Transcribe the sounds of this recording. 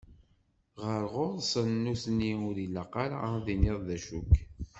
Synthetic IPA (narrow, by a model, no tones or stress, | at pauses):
ʁəɾʁʊðˤsənːusniʊɾiləqɑɾaðinɪðˤðæʃuk